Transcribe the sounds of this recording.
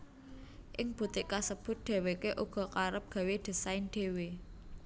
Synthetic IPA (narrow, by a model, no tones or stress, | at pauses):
ʔɪŋb̥ṳt̪ikasəb̥ʊ̤t̪̚ɖ̪̥e̤wekeʔuɡ̥ɔ̤kaɾəp̚ɡ̥ä̤wed̪̥ə̤saɪnɖ̪̥e̤we